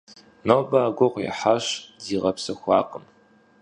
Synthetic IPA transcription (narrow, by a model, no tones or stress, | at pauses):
nobaːɡʷɔʁʷjɛ̰ħaɕdiːʁɐpsɐxʷɑ̰ːqəm